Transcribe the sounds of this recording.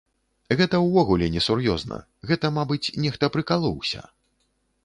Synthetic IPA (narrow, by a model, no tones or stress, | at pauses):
ɣɛt̪ɐwvɔɣulʲɛnʲɛsurjɔznɐ̰ | ɣɛt̪ɐmabɨt͡sʲnʲɛxt̪ɐpɾɨkalˠɔwsʲɐ̰